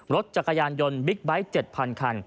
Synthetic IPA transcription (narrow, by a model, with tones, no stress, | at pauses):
ɾo˦˥t̪̚t͡ɕa˨˩kːa˧jaː˧njo˧nbi˦˥k̚ba˦˥jt͡ɕe˨˩t̪̚pʰa˧nkʰa˧n